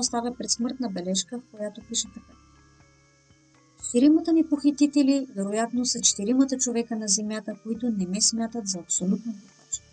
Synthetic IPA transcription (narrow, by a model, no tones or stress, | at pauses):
ost̪avʲɐpɾɛt̪smɤɾt̪nəbɛlɛʃkəfkojat̪opiʃɛt̪ɐka | t͡ʃt̪iɾimət̪ənipoxit̪it̪ɛlivɛɾojat̪nosɐt͡ʃɛ̥t̪iɾimət̪ət͡ʃovɛkənɐzɛmjat̪əkoit̪onɛmɛsmʲat̪ət̪zɐːpsolʲut̪̚nopoat͡ʃ